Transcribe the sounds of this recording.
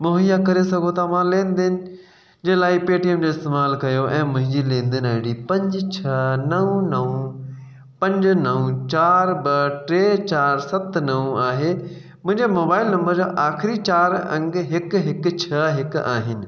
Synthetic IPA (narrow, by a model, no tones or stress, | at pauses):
moɦijakɐɾesɐɡʱot̪ʰamãleːn̆d̪ɪɦɪnɪ̆ | d͡ʑeːlaːɪpeːʈiːəmd͡ʑoːɪst̪eːmaːlkɐjoʔɛ̃ːmʊ̃ɦɪ̃ɲd͡ʑilẽːnd̪ɪnəːɦɪɽipɐ̃ɲd͡ʑt͡ɕʰɐnɐʋ̃nɐʋũ | pɐ̃ɲd͡ʑnɐʋũt͡ɕaːɾbɐʈɾeːt͡ɕaːɾsɐt̪nɐʋũaːɦe | mʊ̃ɦɪ̃ɲd͡ʑemoːbaːɪlnɐ̃mbəɾd͡ʑoːʔaːxɪɾit͡ɕaːɾɐ̃ŋɡɦɪkɦɪkʊ̆t͡ɕʰɐɦɪkaːɦɪnɪ̆